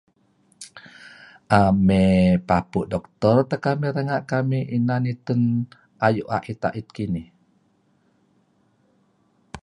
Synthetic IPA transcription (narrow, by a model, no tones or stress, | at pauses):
ʔamepapuʔdɔk̚t̪ɔrt̪əkamiɾəŋaʔkamiʔinanit̪un | ʔajuʔa̰ʔit̪a̰ʔit̪̚kinih